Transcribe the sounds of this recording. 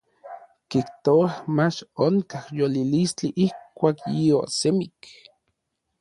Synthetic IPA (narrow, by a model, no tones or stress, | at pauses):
kiht̪oahmat͡ʃoŋkahjolilistiʔihkʷaːkjio̰semik